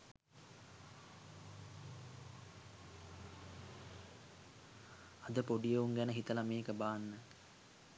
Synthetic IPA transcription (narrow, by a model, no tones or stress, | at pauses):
ɐd̪əpoɖijeuŋɡænəɦit̪əlameːkəbaːnːə